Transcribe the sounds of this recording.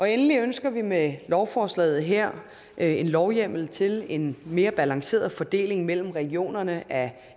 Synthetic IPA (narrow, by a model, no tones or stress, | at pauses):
ʔɒ̽enəliønsɡ̥ɐʋimelɒʊfɒːslɛ̰ːð̩ˠɦeɐ̰ | ʔe̝nlɒʊjem̰l̩t͡sʰe̝le̝nme̝ːɐb̥ælɑ̈ŋse̝̰ːɐðˠfɒ̽d̥e̝̰ːle̝ŋmel̰m̩ʁɛɡ̥io̝̰ːnɐnəʔæ